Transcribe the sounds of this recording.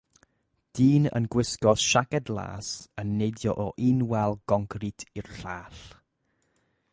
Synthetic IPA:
d̥iːnə̰nɡwɪskɔsʃaɡɛdlˠa̰ːsənːejdjɔʔɔʔinwɛlˠɡ̥ɔŋɡritʰirɬaːɬ

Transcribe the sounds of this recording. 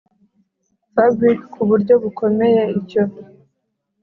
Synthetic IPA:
fabɥikkʰuβuɾɟo̞ɡukʰomejeico

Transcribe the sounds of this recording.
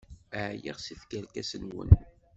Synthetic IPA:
ʕjiʁsifkælkæsənwə̰n

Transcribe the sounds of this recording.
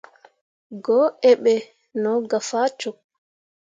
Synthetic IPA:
ɡɔʔɛɓɛ | nɔɡafaːt͡ʃɔk̚

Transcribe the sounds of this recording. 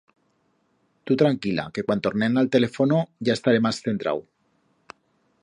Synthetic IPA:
t̪ut̪ɾaŋkila̰kekwant̪ornenalt̪elefonoʝaest̪aɾemasθent̪ɾa̰w

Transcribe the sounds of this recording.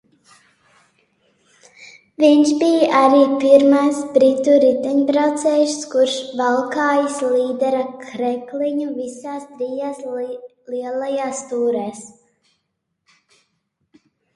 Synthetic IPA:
viɲʃbijʔaɾiːpiɾmajsbɾit̪uɾit̪ɛɲbɾawt̪sɛːjuʃskuɾʃvalˠkaːjislˠiːd̪ɛɾakʰɾɛkliɲuvisaːst̪ɾijaːs | liɛlˠajaːst̪uːɾɛːs

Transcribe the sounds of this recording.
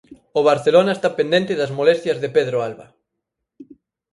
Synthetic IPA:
oβ̞aɾθelonaest̪apẽnd̪ent̪ɪðɐzmolest̪jɐzðepeðɾoalβa̰

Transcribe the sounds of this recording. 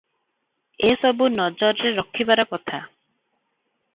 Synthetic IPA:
esɔbunɔd͡ʒɔɾɾeɾɔkʰːibaɾɔkɔt̪ʰa

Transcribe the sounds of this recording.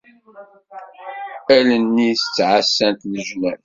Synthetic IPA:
ælənːisət͡sːʕasːænt̪lʒunæl

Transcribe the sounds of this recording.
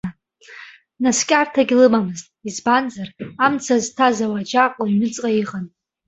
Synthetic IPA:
naskʲʼartʰaɡʲlɨmamɨztʼizbanzaramt͡sʰaztʰazawad͡ʒaqʼɥnɨt͡sʼqʼaiqʼan

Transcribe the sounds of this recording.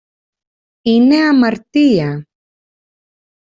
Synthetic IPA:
ineamaɾt̪ija

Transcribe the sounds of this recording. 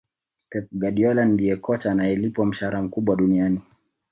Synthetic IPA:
pɛp̚ɡaɗiɔlandiɛkɔt͡ʃaːnajɛlipɔm̩ʃaaɾam̩kuɓwaɗuniani

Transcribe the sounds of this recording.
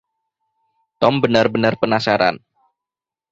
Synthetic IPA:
t̪ɔmbənarbənarpənasaɾa̰n

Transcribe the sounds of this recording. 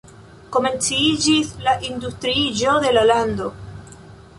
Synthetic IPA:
ko̞mẽ̞nt͡siid͡ʒislaʔind̪ust̪ɾiʒoðelaland̪o

